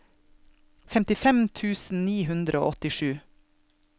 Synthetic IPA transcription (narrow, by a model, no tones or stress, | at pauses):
fɛmt̪ɪfɛmt̪ʰʉːsn̩niːɦʉnd̪ɾəo̰ːɔt̪ɪʃʉː